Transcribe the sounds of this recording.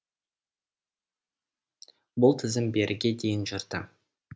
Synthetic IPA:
bʊlˠt̪ʰɪzɪmbe̞ɾʔɪɡʲe̞d̪e̞jɪnʒəɾd̪ə

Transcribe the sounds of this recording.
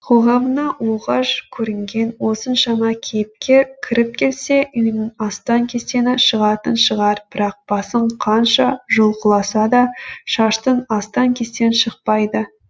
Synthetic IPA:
qʰo̞ʁɑmənɑwoʁɑʃkʲʰɵɾɪŋɡʲe̞nwo̞sənʃɑmɑkʲʰejpkʲʰekʲʰɪɾɪp̚kʲʰe̞lse̞ʔʏmɪnɑst̪ɑŋkʲʰe̞st̪e̞nɪʃəʁɑt̪ənʃəʁɑɾb̥ɪɾɑq̚b̥ɑsəɴqʰɑnʃɑʒolˠqəlˠɑsɑd̪ɑʃɑʃt̪ənɑst̪ɑŋkʲʰe̞st̪e̞nʃəq̚pɑjd̪ə

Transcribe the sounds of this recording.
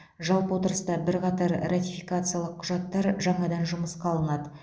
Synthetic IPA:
ʒɑlˠpwo̞t̪əɾəst̪ɑbɪɾqɑt̪ɑɾrat̪ʲijfikat̪sɨjalˠəqʰːʊʒɑt̪ːɑɾʒɑɴɑd̪ɑnʒʊməsqɑlˠənɑd̪ə

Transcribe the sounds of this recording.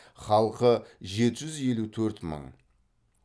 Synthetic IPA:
χɑlˠqəʒe̞t̪ɪʒʏzje̞lut̪ʰɵɾt̪mə̰ɴ

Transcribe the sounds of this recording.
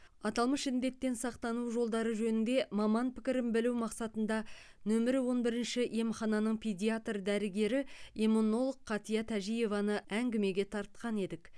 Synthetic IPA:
ɑt̪ɑlˠməʃɪnd̪e̞t̪ːe̞nsɑqt̪ɑnuʒo̞lˠd̪ɑɾəʒɵnɪnd̪e̞mɑmɑnpɪkʲɪɾɪnbɪluwmɑqsɑt̪ənd̪ɑ | nɵmɪɾɪwo̞nbɪɾɪnʃɪje̞mχɑnɑnəɴpʰed̪ʲijat̪rd̪æɾɪɡʲe̞ɾɪemono̞lˠəqʰːɑt̪ijɑt̪ʰæʒije̞vɑnəæŋɡʲɪme̞ɡʲe̞t̪ʰɑɾt̪qɑne̞d̪ɪk

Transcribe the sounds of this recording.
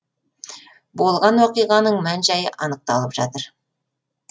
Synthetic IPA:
bo̞lˠʁɑnwoqijʁɑnəɴmænʒɑjəʔɑnəq̚t̪ɑlˠəpʒ̥ɑt̪əɾ

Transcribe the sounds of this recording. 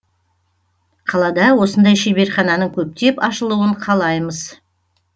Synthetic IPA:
qʰɑlˠɑd̪ɑwo̞sənd̪ɑjʃebe̞ɾχɑnɑnəɴkʲʰɵp̚t̪e̞pɑʃəlˠuwəɴqʰɑlˠɑjməz

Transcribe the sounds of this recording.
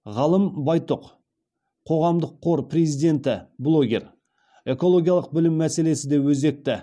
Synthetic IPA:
ʁɑlˠəmbɑjt̪oq | qʰo̞ʁɑmd̪əqʰːo̞ɾpre̞zijd̪e̞nt̪ɪblˠo̞ɡʲe̞̰r | e̞ko̞lˠo̞ɡʲijalˠəq̚bɪlɪmːæse̞le̞sɪd̪e̞wɵze̞k̚t̪ɪ

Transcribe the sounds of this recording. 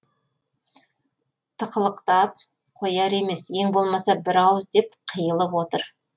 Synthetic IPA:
t̪ʰəqəlˠəqt̪ɑp̚ | qʰo̞jɑɾe̞me̞sjeŋbo̞lˠmɑsɑbɪɾɑwəzd̪e̞p̚qʰəjəlˠəpwo̞t̪əɾ

